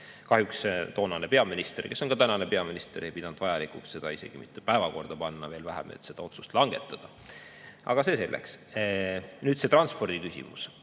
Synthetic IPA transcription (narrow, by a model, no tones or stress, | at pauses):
kɑɦjukst̪o̞ːnɑne̞pe̞ɑminist̪erke̞so̞nɡ̥ɑt̪ænɑnepe̞ɑminist̪eɾejpid̪̥ɑnud̪vɑjɑlikuksse̞d̪̥ɑise̞̰ɡ̥imit̪ːepæevɑko̞rd̪̥ɑpɑnːɑve̞ːlvæɦḛmḛt̪ːse̞d̪ɑo̞t̪su̥st̪lɑŋɡ̥e̞t̪ːˑɑd̪̥ɑ | ʔɑ̰ɡ̥ɑse̞se̞lːʔḛks | nyːd̪se̞t̪rɑnspo̞rd̪̥ikysḭmṵs